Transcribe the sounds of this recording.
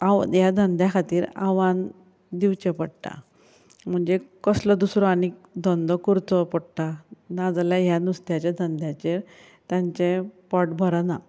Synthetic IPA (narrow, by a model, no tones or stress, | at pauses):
ajad̪ʱənd̪jakʰat̪iːɾa̰ʋan | d̪iʋt͡ɕepəɽʈ̪a̰ | m̤əɳd͡zekəslɔd̪usɾɔañikd̪ɔ̃nd̪ɔkuɾt͡sɔpɔɽʈ̪anad͡zljajanust̪jat͡ɕad̪ʱənd̪ʱjat͡ɕeɾ | t̪jãɲt͡ɕepɔʈbʱəɾana